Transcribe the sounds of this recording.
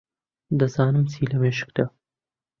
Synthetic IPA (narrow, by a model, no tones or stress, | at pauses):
d̪ɐzɑːnɨmsiːlɐmeːʃə̥kd̪a